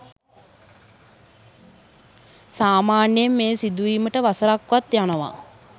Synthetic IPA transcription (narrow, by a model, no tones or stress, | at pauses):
saːmaːnjjemːeːsid̪uʋiːməʈəʋasəɾakʋat̪janəʋa̰